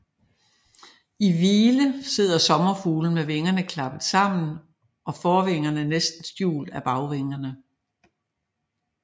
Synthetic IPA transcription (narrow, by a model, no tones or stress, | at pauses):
iʋiːləse̝ð̞̰ˠɐsɒ̽mɐfuːln̩meʋe̝ŋɐnəkʰlɑ̈b̥əð̩ˠsɑ̈m̰n̩ | ʔɒ̽fɒːʋe̝ŋɐnənesd̥n̩sd̥jṵːl̥æb̥ɑ̈ʊʋeŋɐnə